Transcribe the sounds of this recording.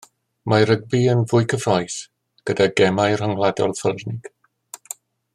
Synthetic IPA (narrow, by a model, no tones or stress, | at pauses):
maɾəɡ̚biənvʊɨkʰəvrɔjs | ɡ̥ədaɡɛmajr̥ɔŋlˠadɔ̰lˠfərnɪɡ̥